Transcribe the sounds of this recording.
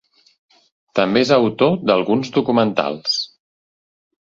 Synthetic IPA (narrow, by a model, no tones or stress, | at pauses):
t̪əmbeezəwt̪od̪əlˠɣunzd̪ukumənt̪a̰lˠs